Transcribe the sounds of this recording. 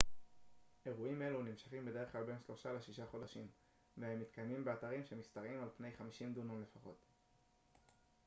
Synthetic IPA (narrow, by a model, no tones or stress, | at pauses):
ʔe̞ʁuime̞lunimʃḁχimbede̞ʁχklalbe̞nʃlo̞ʃaleʃiʃaχo̞daʃim | vehe̞mːitkajmimbe̞ataʁimʃemistaʁimalpnejχamiʃimd̪unomle̞faχo̞̰t